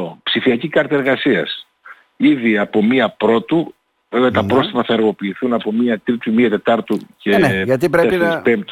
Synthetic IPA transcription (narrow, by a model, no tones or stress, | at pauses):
opsifiɐcikɐɾt̪ɐe̞ɾɣɐsiɐ̰s | iðiɐpo̞miɐpɾo̞t̪u | veveɐt̪ɐpɾo̞st̪ipɐθɐeɾɣo̞piːθunɐpo̞miɐt̪ɾit̪umiɐt̪e̞t̪ɐɾt̪uceʝɐt̪ipɾeesespempt̪